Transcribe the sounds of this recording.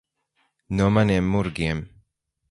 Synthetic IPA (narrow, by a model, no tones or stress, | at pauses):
numaniɛmːuɾɡiɛm